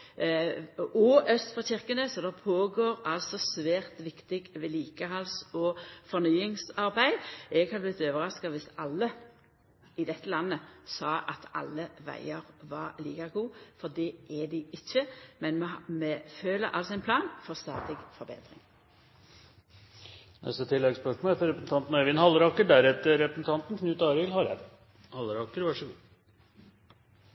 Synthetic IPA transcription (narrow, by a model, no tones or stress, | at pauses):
ɔʔœst̪fɔɕɪʁkənəsɔd̪ɑpʰoːɡoːʁɑlsɔsʋæːʁt̪ʋɪkt̪ɪɡʋɛliːkəɦɑlsɔfɔʁnyːɪŋsɑʁbæɪɛɡhɑblɪt̪ːøːʋəʁɑskɑʋɪsɑlːə | ɪd̪ɛt̪ːəlɑnːəsɑːʔɑt̪ʰɑ̰lːəʋæ̰ɪəʁʋɑʁliːkɑɡuːfɔd̪ɛʔɛd̪ɪʔɪçəmɛnmmɛføːləɾʔɑ̰lsɔɛnpʰlɑːnfɔʁst̪ɑːd̪ɪɡfɔbḛːd̪ʁɪŋ | nɛ̰st̪ət̪ʰɪlːɛɡspœʂmolɛt̪ːəɾɛpɾəsn̩t̪ʰɑnt̪n̩ɛʋɪnhɑlːəɾɑːkəɖæɾɛt̪ːəɾɛpɾəsn̩t̪ʰɑnt̪n̩kʰnʉːt̪ɑːɾɪlhɑɾɛ̰ | hɑləɾɑkəɾʋɑʂəɡuː